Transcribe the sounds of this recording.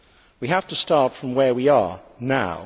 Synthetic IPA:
wiɦæftɨstɑɹtfɹʌ̃mwə˞wiə˞naʊ

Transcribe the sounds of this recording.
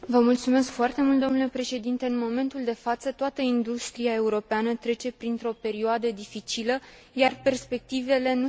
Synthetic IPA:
vəmult̪sume̞skfoart̪e̞mult̪̚d̪o̞mnule̞pɾe̞ʃe̞d̪int̪eɨnmo̞me̞nt̪uld̪e̞fat̪sət̪oat̪əind̪ust̪ɾiae̞uɾo̞peanət̪ɾe̞t͡ʃe̞pɾint̪ɾo̞pe̞ɾioad̪əd̪ifit͡ʃilə | jarpe̞rspe̞k̚t̪ive̞le̞nu

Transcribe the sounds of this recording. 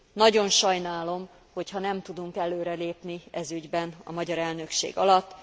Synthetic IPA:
nɒɟo̞nʃɒjnaːlo̞m | ho̞chɒnɛmt̪ud̪uŋkɛløːɾɛleːpniɛzyɟbɛnɒ̰mɒɟɒɾɛlnø̞kʃḛːɡɒlɒt̪ː

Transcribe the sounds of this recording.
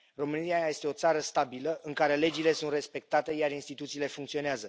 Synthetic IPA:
ro̞mɨniaje̞st̪e̞o̞t̪saɾəst̪abiləʔɨŋkaɾe̞le̞d͡ʒile̞sunt̪re̞spe̞k̚t̪at̪e̞jarinst̪it̪ut̪siːle̞fuŋk̚t̪sio̞neazə

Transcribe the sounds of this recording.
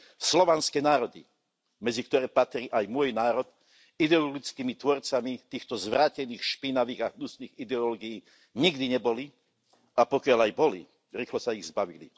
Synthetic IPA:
slɔʋanskɛnaːɾɔd̪ḭ | mɛd͡zikt̪ɔɾɛːpat̪ɾiːʔajmʊɔjnaːɾɔt̪ | id̪ɛɔlɔɡit͡skiːmit̪ʋɔɾt͡samit̪iːxt̪ɔzʋɾaːcɛniːxʃpinaʋiːɣaɦnusniːɣid̪ɛɔlɔɡijiː | ɲiɡd̪iɲɛbɔli | apɔkɪalajbɔlḭ | ɾiːxlɔsaiɣzbaʋḭlḭ

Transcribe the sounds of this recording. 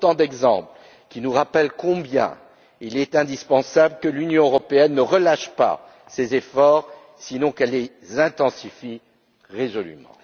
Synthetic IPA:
ot̪ɑ̃d̪ɛɡzɑ̰̃pl | kʲinuʁapɛlkɔ̃bjɛ̰̃ | ilɛt̪ɛ̃d̪ispɑ̃sablkəlynjɔ̃øʁɔpeɛnːəʁəlaʃpa̰ | sezefɔʁ | sinɔ̃kɛlːe | zɛ̃t̪ɑ̃sifi | ʁezɔly̰mɑ̰̃

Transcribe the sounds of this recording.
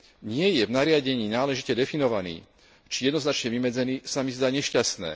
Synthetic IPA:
ɲɪɛjɛvnaɾɪaɟɛɲiːnaːlɛʒicɛd̪ɛfinɔʋanḭː | t͡ʃijɛd̪nɔznat͡ʃɲɛʋimɛd͡zɛniːsamizd̪aːɲɛʃcast̪nɛ̰ː

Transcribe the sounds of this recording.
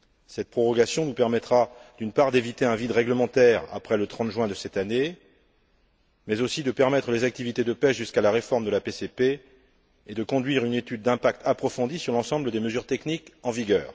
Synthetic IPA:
sɛt̪̚pχɔʁɔɡasjɔ̃nupɛʁmɛt̪χad̪ynpaʁd̪evit̪eɛ̃vid̪ʁɛɡləmɑ̃t̪ɛʁa̰pχɛlət̪χɑ̃t̪ʒɥwɛ̃d̪əsɛt̪ane | mɛzosid̪əpɛʁmɛt̪χəlezak̚t̪ivit̪ed̪əpɛʒyskalaʁefɔʁmd̪əlapesepe | ed̪əkɔ̃d̪ɥiʁynet̪yd̪̚ːɛ̃pak̚t̪ʰapχɔfɔ̃d̪isyʁlɑ̃sɑ̃bləd̪eməzyʁt̪ɛknikɑ̃viɡœːʁ

